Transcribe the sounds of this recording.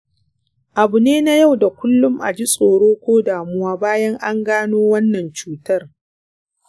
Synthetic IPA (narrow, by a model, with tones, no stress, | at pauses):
ʔa˨bʊ˨neː˦na˦ja˦˨wda˨kʷʊ˦lːʊ˦mʔa̰˨d͡ʒi˦sʼoː˨ɽoː˦kʷoː˦daː˨mʊ˦waː˦baː˦jɐ˦ŋʔa˦ŋɡaː˦noː˦wɐ˦nːɐ˨nt͡ʃuː˦tɐ˦r